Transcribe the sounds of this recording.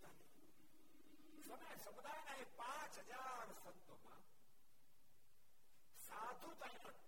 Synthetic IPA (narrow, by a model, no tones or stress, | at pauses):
sɐmɐjsɐmud̪ʱaːjenaɦẽpãːt͡ʃɦɐd͡ʒaːɾsɐnt̪omã̰ | saːd̪ʱut̪ɐɦĩnɐ